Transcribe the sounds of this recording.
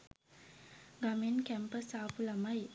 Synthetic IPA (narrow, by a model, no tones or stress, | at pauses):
ɡamenkɛmpəsaːpulamaj